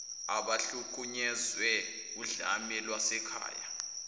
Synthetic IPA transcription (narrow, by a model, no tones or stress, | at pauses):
aɓaɬukʼuɲɛzwɛ | uɮamɛlwasɛkʰa̰ːja